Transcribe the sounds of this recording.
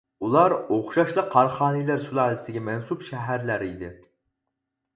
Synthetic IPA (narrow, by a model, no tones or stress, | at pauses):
ulˠɑɾoχʃɑʃlˠəqʰɑɾχɑːnilæɾsulɑːlˠɪsɪɡʲɛmɛnsupʃɛɦæɾlæɾid̪ɪ